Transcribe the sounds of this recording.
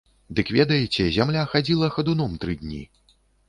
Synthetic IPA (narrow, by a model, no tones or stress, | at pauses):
d̪ɨkvʲɛd̪ɐjɛt͡sʲɛzʲamlʲaxad͡zʲilˠɐxɐd̪unɔmt̪ɾɨd̪ʲnʲḭ